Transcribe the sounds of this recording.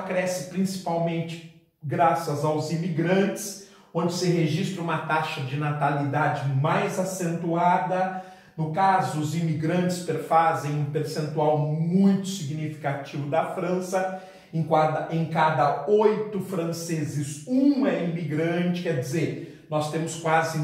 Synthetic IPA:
kɾɛsɪpɾĩsi̥pawmẽnt͡ʃɪ̥ | ɡɾasɐzawzimiɡɾɐ̃nt͡ʃɪ̥s | õnd͡ʒ̪ɪsɪɦeʒist̪ɾɐũmɐt̪aʃɐd͡ʒɪnat̪alid̪ad͡ʒɪmajzasẽnt̪uad̪ɐ | nʊkazʊʊzimiɡɾɐ̃nt͡ʃɪspeɾfazẽj̃ũpeɾsẽnt̪uawmũj̃t̪ʊ̥siɡnifi̥kat͡ʃivʊd̪ɐfɾɐ̃sɐ | ẽkad̪ɐẽj̃kad̪ɐojt̪ʊfɾɐ̃sezɪzũɛimiɡɾɐ̃t͡ʃɪ̥kɛɾd͡ʒɪzeɾ | nɔst̪ẽmʊskwazɪ

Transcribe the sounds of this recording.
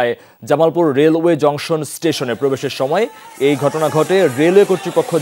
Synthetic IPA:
e | d͡ʑamalpuɾːelued͡ʑɔŋʃonsʈeʃonepɾobeʃeɾʃɔmɔeejɡʱɔʈonaɡʱɔʈeɾelekoɾt̪ɾipokʰːo

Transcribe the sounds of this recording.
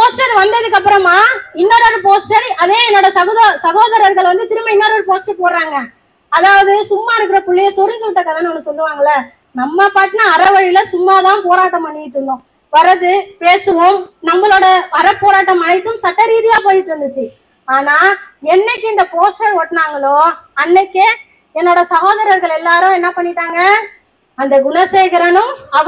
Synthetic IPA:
poːsʈɐɾʋɐnd̪ɐðɯkːɐpːɯɾɐmaːɪnːɐːɾoːɽɐpoːsʈɐɾɐðẽːɛnːoːɽɐsɐɣoːðɐsɐɣoːðɐɾɐɾɣɐɭʋɐnd̪ɯt̪ɪɾɯmɐɪnːɐːɾɐɾpoːsʈɐpoːɾɾaːŋɡɐ | ɐðaːʋɐðɯsʊmːaːɪɾɯkːɯɾɐpʊɭːɪjɐsɔɾɪɲd͡ʒɯʋɪʈːɐkːɐðaːnːɐɐnːɐsɔlːɯʋaːŋɡɐlːɐ | nɐmːɐpaːʈːɯnaːɐɾɐʋɐɻɪlɐsʊmːaːt̪ãːpoːɾaːʈːɐmɐɳːɪɪʈːɯɳɖʊ̃ː | ʋɐɾɐðɯpeːsɯʋoːmnɐmːɐɭoːɽɐʋɐɾɐpːoːɾaːʈːɐmɐnɐɪt̪ːɯmsɐʈːɐɾiːðɪjaːpoːjɪʈːɯɾɯnd̪ɯt͡ʃːɯ | aːnaːɛnːɐkːɯɪnd̪ɐpoːsʈɐɾɔʈːnaːŋɡɐɭoːɐnːɛkːe | ɛnːoːɽɐsɐɣoːðɐɾɐɾɣɐɭɛlːaːɾʊ̃ɛnːɐpɐɳːɪʈːaːŋɡɐ | ɐnd̪ɐɡʊnɐseːɣɪɾɐnɯmɐ

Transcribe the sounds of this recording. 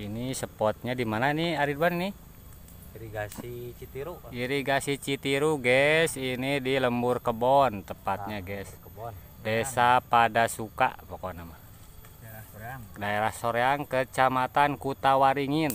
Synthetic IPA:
inisəpɔt̪̚ɲadimananiaɾidbanni | iɡiiuiɾiɡasit͡ʃit̪iɾuɡɛsinidiləmburkəbɔnt̪əpat̪̚ɲaɡɛs | desapadasuka̰pokɔnama | daeɾahsoɾeaŋkət͡ʃamat̪ankut̪awaɾiŋin

